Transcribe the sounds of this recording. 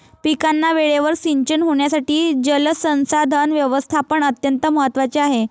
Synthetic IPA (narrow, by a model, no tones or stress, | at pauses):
pikanːaʋeɭeʋəɾsiɲt͡ɕənɦoɳ̃jasaʈiːd͡ʑələsə̃w̃sad̪ʱanʋjəʋəst̪ʰapəɳət̪jənt̪əməɦət̪ːʋat͡ɕeaɦe